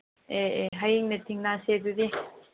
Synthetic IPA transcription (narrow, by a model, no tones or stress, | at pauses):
eɦajiŋnet̪ʰiŋnaseːt̪ud̪i